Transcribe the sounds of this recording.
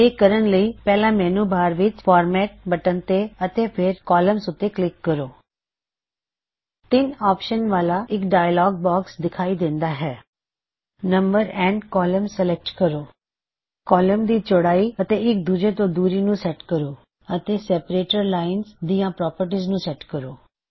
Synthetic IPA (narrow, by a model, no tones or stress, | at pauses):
eːkəɾənləiːpɛːlãːmɛ̃ːnũːbaːɾʋɪt͡ʃpʰɔːɾmɛːʈ̚bəʈənt̪eːət̪eːpʰɪɾkɔːləmsʊt̪ːeːklɪkːəɾoː | t̪ɪnɔːpʃənʋaːlaːɪkɖaːjəlɔːɡ̚bɔːksd̪ɪkʰaːiːd̪ɪ̃nd̪aːɦɛː | nəmbəɾɛ̃ːɳɖkɔːləmsəlɛk̚ʈkəɾoː | kɔːləmd̪iːt͡ʃʊɽaːiːət̪eːɪk̚d̪uːd͡ʒeːt̪õːd̪uːɾiːnũːsɛːʈkəɾoː | ət̪eːsɛːpəɾeːʈəɾlaːɪnzd̪iːãːpɾɔːpəɾʈ̬iːznũːsɛːʈkəɾoː